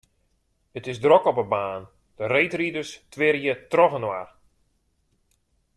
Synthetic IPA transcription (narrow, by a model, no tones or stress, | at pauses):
ətɪsdrɔkɔpəbaːn | d̥ərejtridərstʋɪɾjətrɔɣənwa̰r